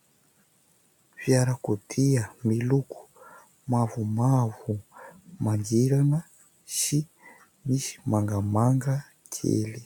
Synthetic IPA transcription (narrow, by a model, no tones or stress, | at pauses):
fjaɾakud̪ʰiamilukʰu̥ | mavumavumaŋɡiɾanə | si | misi̥maŋɡamaŋɡa | kʰḛli